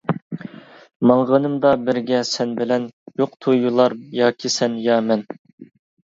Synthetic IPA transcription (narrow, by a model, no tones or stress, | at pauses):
mɑŋʁənɨmd̪ɑbɪɾɡʲɛsɛnbɪlɛnjoqt̪ʰujulˠɑɾjɑːkʲʰisɛnjɑmɛn